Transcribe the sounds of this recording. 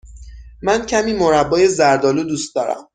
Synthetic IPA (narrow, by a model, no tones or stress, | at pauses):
mæncʰæmiːmoɾæbːɒːjezæɾd̪ɒːluːd̪uːst̪̚d̪ɒːɾæ̰m